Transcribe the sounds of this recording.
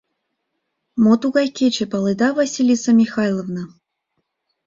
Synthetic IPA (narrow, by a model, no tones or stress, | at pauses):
mot̪uɡajkʲet͡ɕepɑlˠɨd̪avɐsʲilʲisəmʲixajlˠəvnə